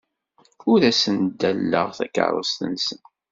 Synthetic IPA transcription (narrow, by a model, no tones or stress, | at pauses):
ʊɾæsənd̪ːælːə̰ʁθæ̰kə̰ɾˤə̰st̪ənsən